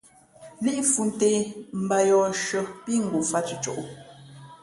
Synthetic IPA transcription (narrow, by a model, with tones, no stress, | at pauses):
li˦ʔfu˨n˨te˨m̩˨ba˨jɔ˨ʃə˨pi˦ŋ̩˨ɡu˨fa˦t͡ʃə˨˦t͡ʃo̰˦˨ʔ